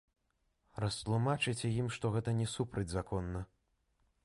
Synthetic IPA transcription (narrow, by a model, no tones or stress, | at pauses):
rɐst̪lˠumat͡ʂɨt͡sʲɛjimʂt̪ɔɣɛt̪ɐnʲɛsupɾɐd͡zʲzakʰɔnːɐ